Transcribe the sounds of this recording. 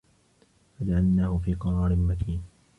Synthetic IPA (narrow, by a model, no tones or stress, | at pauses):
fad͡ʒaʕalnaːhʊfiːqɑɾˤɑːɾɪnmakiːn